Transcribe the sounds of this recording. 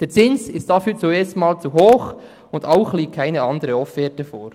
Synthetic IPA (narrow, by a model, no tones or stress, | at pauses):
d̥eːt͡sɪnsɪstd̥ɑfyːt͡suɛːstmɑːlt͡suɦoːχ | ʊndaʊχliːɡ̚kʰːaɪnəɑndəɾəɔffɛːtəfoːɾ